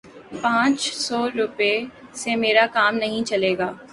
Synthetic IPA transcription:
pãːt͡ʃsɔːɾʊpesemeːɾakaːmnɐɦĩt͡ʃɐleːɡaː

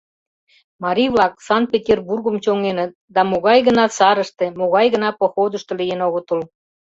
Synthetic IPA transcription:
mɑɾʲijβlɑksɑnt̪̚pʲetʲerburɣəmt͡ɕoŋenət̪̚d̪ɑmoɣɑjɣə̆nɑsɑɾəʃt̪emoɣɑjɣə̆nɑpoxod̪əʃt̪olijenoɣot̪ul

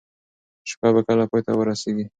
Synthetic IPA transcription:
ʃkɑbakəlapɑjt̪awəɾaseɡi

